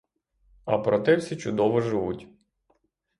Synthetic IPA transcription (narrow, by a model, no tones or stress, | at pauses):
ɐ̰pɾɔt̪ɛwsʲit͡ʃʊd̪ɔʋɔʒɪʋutʲ